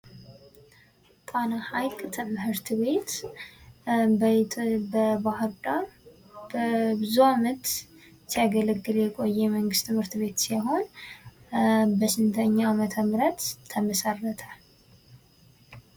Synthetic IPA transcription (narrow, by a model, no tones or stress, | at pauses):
t̪ʼanahajkʼt̪ʰɨmhɨɾt̪ʰβe̞t̪ | b̪bəbahɨɾd̪ʼaɾ | bəbɨzuamət̪ | sijaɡələɡːɨljɛkʼo̞jːɛməŋɡɨst̪ʰːɨmhɨɾt̪βe̞t̪sajɦo̞n | bəʃɪnt̪ʰəɲːamət̪ʰəmɾət̪ʰːəməsərːət̪ʰə